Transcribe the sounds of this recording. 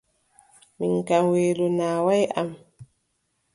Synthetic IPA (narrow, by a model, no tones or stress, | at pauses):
miŋkaŋweːlɔnaːwajʔa̰m